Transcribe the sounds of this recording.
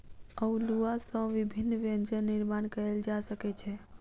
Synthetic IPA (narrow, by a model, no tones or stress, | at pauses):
əuluasə̃ʋibʱinːʋənd͡ʒəniɾmankəeld͡ʒasəkɛt͡ʃʰɛ